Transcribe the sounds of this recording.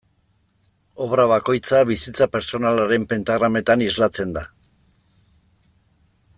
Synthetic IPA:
o̞βɾaβ̞ako̞jt͡saβisit͡sape̞ɾt͡so̞nalaɾe̞mpe̞nt̪aɣɾame̞t̪anizlat͡se̞nd̪a

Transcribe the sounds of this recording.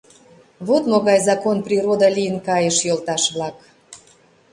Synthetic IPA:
βot̪moɣɑjzɑkonprʲiɾod̪ɑlʲijənkɑjəʃjolˠt̪ɑʃβlɑk

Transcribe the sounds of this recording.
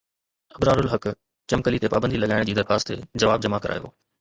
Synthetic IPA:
ɐbɾaːɾʊlɦɐk | t͡ɕɐmkəlit̪epaːbə̃nd̪ilɐɠaːɪɽ̃d͡ʑiːd̪ɐɾxaːst̪ʰḛd͡ʑɐʋaːbd͡ʑɐmakɐɾʔa̰ːjo̰ː

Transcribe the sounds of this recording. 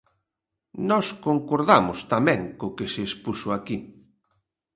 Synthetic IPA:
nɔskoŋkoɾðamʊst̪amɛ̃ŋkokeseːspusʊaki

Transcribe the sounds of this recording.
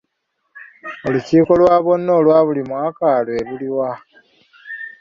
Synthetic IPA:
o̞luciːko̞lwaːβo̞nːo̞ːlwaːβulimwaːkalweβuliwa

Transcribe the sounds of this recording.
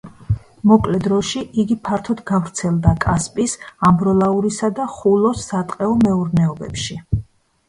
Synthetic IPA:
mɔkʼlɛd̪ɾɔʃiʔiɡipʰaɾt̪ʰɔd̪ɡavɾt̪sʰɛlˠd̪akʼaspʼisambɾɔlˠauɾisad̪aχulˠɔsːat̪ʼqʼɛɔmɛuɾnɛɔbɛ̰pʃi

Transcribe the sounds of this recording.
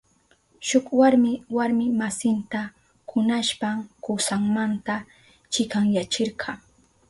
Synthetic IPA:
ʃʊkwaɾmɪwaɾmɪmasɪnt̪a | kʊnaʃpamkʊsaŋmant̪a | t͡ʃɪkaŋjat͡ʃɪɾɢʰɑː

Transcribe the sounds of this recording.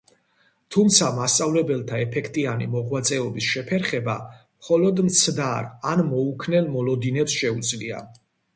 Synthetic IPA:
t̪ʰumt̪sʰamast̪sʼavlɛbɛlˠt̪ʰaɛpʰɛkʰt̪ʼianḭmɔʁwat̪sʼɛɔbisʃɛpʰɛɾχɛba | mχɔlɔd̪mt̪sʰd̪aɾanmɔukʰnɛlmɔlɔd̪inɛpsʃɛut̪sʼlia̰

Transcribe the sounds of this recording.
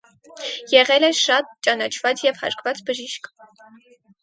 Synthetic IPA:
jɛʁɛlɛʃɑt̪̚t͡ʃɑnɑt͡ʃʰvɑt͡sjɛvhɑ̰ɾkʰvɑt͡sbəʒiʃk

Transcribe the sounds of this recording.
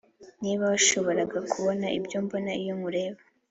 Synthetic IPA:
niːβaβaʃo̞βo̞ɾaɡakuβo̞naʔibɟombo̞naijoŋuɾe̞ːβa

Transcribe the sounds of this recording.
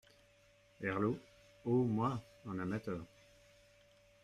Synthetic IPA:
ɛʁlo | omwa | ɑ̃namat̪œːʁ

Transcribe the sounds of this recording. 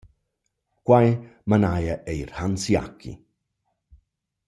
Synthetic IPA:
kwajmanajaʔeiɾhansia̰kʰḭ

